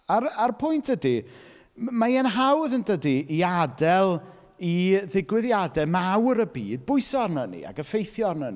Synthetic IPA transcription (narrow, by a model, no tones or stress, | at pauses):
ararpʰʊjntʰd̥ədi | majɛnɦawðəndədiːadɛlˠ | iðɪɡwɪðjadɛmawɾəbiːd̚bʊɨsɔrnənḭa̰ɡəfejθjɔrnəni